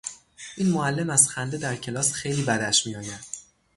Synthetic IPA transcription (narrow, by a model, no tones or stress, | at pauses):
ʔiːnmoælːe̞mæzxænd̪ed̪æɾcʰe̞lɒːsxejliːbæd̪æʃmiɒːjæd̪̥